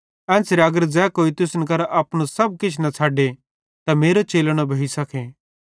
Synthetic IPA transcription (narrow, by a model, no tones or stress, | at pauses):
ɛ̃ːsɾeɐɡəɾd͡zɛːkoːit̪ʊsnk̬ɐɾaʔaːpɽ̃ũsɐb̚kɪt͡ʃʰnɐt͡sʰaːɖe | t̪ameːɾot͡ʃeːləɽ̃obʱɐisɐkʰeː